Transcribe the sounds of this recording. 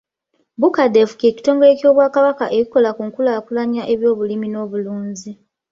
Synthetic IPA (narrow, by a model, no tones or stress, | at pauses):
βukade̞fu̥ke̞ːci̥to̞ːŋɡoeco̞ːβwaːkaβakaʔe̞kiko̞lakuːŋkulaːkulaɲaʔe̞βjo̞ːβulimino̞ːβuluːnzi